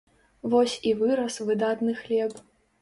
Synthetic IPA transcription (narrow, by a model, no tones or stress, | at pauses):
vɔsʲivɨɾɐsvɨd̪at̪nɨxlʲɛp